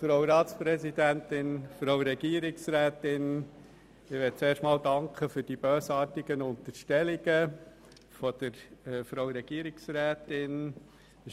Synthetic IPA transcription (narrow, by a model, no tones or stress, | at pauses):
fɾowɾɑːt̪spɾɛzidæntɪnfɾowɾɛɡ̥iːəɾɪksɾæːtɪn | ɪʋɛːt̚t͡seːɾʃtmɑːldɑŋkχəfʏɾd̥ibøːsɑːtɪɡ̥ənʊnt̪əɾʃtɛlɪɡ̥ə | fɔd̥̪əɾfɾowɾɛɡ̥iəɾɪksɾæːt̪ɪn